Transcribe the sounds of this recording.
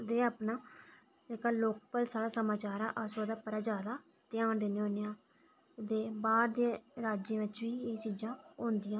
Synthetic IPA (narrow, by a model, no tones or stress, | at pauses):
d̪eːaːpnaː | d͡ʒeːkaːloːkəlsaːlaːsəmaːt͡ʃaːɾã̰ːʔasoːd̪aːpəɾaːd͡ʒaːd̪aː | t̪ɪjaːnd̪eːnẽːɦõːneːãː | d̪eːbaːɾd̪ẽɾaːd͡ʒẽːʋɪt͡ʃʋiːeːt͡ʃiːd͡ʒãːõːnd̪ɪjãː